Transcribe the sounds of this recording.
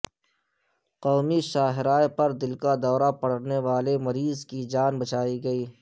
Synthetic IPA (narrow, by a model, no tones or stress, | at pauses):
qɔːmiʃaːɦɪɾaːjpɐɾd̪ɪlkad̪ɔːɾapɐɽneʋaːlemɐɾiːzkid͡ʒaːnbɐt͡ʃaːiɡɐiː